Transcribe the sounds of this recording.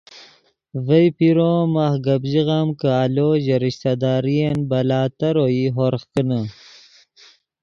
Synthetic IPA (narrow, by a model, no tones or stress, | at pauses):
vəjpiɾomaxɡabʑiɣamkəaloːʑeɾiɕt̪ad̪aːɾijenbɐlaːt̪ɐɾoiɦoɾxkənə